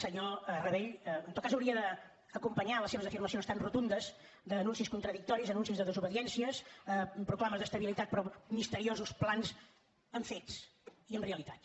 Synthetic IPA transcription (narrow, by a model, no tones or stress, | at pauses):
səɲorəβeʎənɔt̪̚kazəwɾiəd̪əː | kumpəɲaləseβəzəfirməsionst̪anrut̪und̪əz | d̪əːnunsiskunt̪ɾəðik̚t̪ɔɾizənũnsizðəðəzuβəðiɛnsiəsəpɾuklˠaməzðəst̪əβilit̪at̪̚pɾɔmist̪əɾiozusplanz | əɱfet͡siənreəlit̪at̪